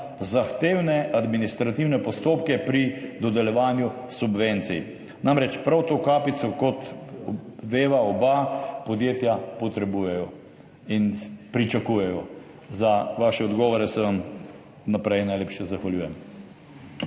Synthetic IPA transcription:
zaxt̪eːwnɛʔad̪minist̪ɾat̪iwnɛpɔst̪oːpkɛpɾid̪ɔd̪ɛljɛʋaːnjusubʋent̪sḭj | namɾɛt͡ʃpɾawt̪okaːpit̪sɔkɔt̪ | ʋeːʋaɔbapɔd̪jeːt̪japɔt̪ɾɛbuːjɛjɔ | inpɾit͡ʃakuːjɛjɔ | zaʋaːʃɛɔd̪ɡɔːʋɔɾɛsɛʋam | napɾɛjnajleːpʃɛzaxʋalʲjuːjɛm

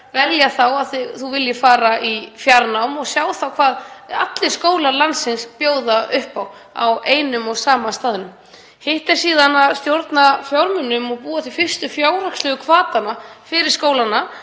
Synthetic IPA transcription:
vɛljaθawaðθɪθuvɪljɪfaːɾaifjaɾnawmɔɣsjaːwθawkʰv̥aːðat̪lɪɾ̥skoːwlalant̪sɪnspjoːwðaʏhpaw | a̰weːjnʏmɔɣsaːmast̪aːðɪnʏm | hɪht̪ɛɾ̥siːðanaðst̪jowɾt̪nafjawɾmʏnːʏmɔɣpuːat̪ʰvɪfɪr̥st̪ʏfjaːwr̥akslɛɣʏkʰvaːt̪anafɪɾɪɾ̥skoːwlana

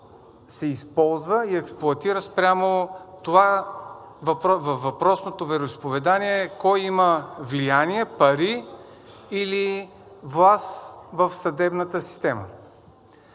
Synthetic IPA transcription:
sɛispɔlˠzvəiɛksplˠʊɐt̪iɾəspɾʲamot̪ova | vɐpɾvɐfvɐpɾɔsnot̪ovɛɾoispovɛd̪aniɛkɔjiməvlijaniɛpɐɾiː | li | vlˠasvəfsɐd̪ɛbnət̪əsi̥st̪ɛmə̰

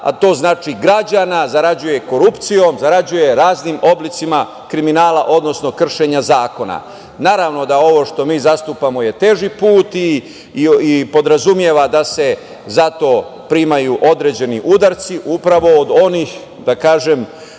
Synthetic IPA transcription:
a̰t̪o̞ːznaːt͡ʃiɡɾad͡ʑanazaɾad͡ʑuje̞ko̞ɾupt̪sijo̞ːmzaɾad͡ʑuje̞ɾaːznimʔo̞blit̪sima | kɾiminaːlaʔo̞d̪no̞sno̞kr̩ʃe̞ɲazaːko̞na̰ | naːɾaʋno̞d̪ao̞ʋo̞ʃt̪o̞miːzast̪upamo̞je̞t̪e̞ʒipuːt̪i | ipo̞d̪ɾazumje̞ʋad̪ase̞ | zat̪o̞ːpɾiːmajuːʔo̞d̪ɾe̞ːd͡ʑe̞niʔud̪aɾt̪siʔupɾaʋo̞ːd̪o̞niːx | d̪akaːʒe̞m

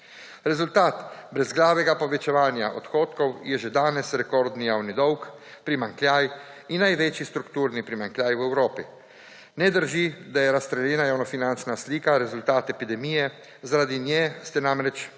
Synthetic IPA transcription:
ɾɛzult̪aːt̪bɾɛzɡlaːʋɛɡapɔʋɛt͡ʃɛʋaːnjaʔɔ̰t̪xoːt̪kɔwjɛʒɛd̪aːnɛsɾɛkɔɾd̪nijawnid̪ɔwk | pɾimaŋkljaːj | inːajʋet͡ʃjist̪ɾukt̪uːɾnipɾimaŋkljaːjwɛwɾoːpi | nɛd̪əɾʒid̪ajɛɾast̪ɾɛljɛːnajawnɔfinant͡ʃnasliːkaɾɛzult̪aːt̪ɛpid̪ɛmiːjɛ | zaɾaːd̪injɛst̪ɛnaːmɾɛt͡ʃ

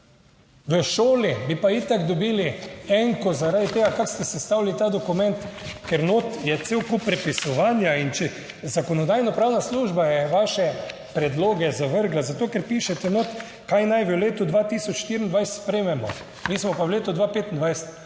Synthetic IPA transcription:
ʋəʃoːlibipait̪aɡd̪ɔbiːliɛŋkɔzaɾaːd̪it̪eːɡakakst̪ɛsɛst̪awlilit̪aːd̪ɔkumɛ̃nt̪kɛɾnoːt̪jɛt̪sewkupːɾɛpisɔʋaːnjaint͡ʃɛ | zakɔnɔd̪ajnɔpɾaːwnasluːʒbajɛʋaʃɛ | pɾɛd̪loːɡɛzaʋəɾɡlazat̪oːkɛɾpiːʃɛt̪ɛnoːt̪ | kajnajʋəleːt̪ud̪ʋat̪isɔt͡ʃʃt̪iːɾiːnd̪ʋajst̪spɾɛːmɛmɔ̰ | mismɔpawleːt̪ud̪ʋapeːt̪ind̪ʋajsɛ̥t̪

